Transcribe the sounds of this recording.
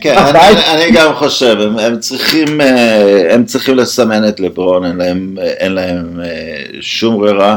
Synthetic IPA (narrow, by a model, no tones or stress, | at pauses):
keananiɡamχo̞ʃevememt͡sʁiχimeemt͡sʁiχimlesamenet̪lebʁonenlaem | ʔenlaheme | ʃumʁeʁa